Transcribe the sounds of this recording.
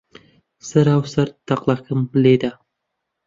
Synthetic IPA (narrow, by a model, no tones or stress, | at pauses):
səɾɑwsəɾt̪ʰːɑqlˠɑkʰəmbɪled̪ɪ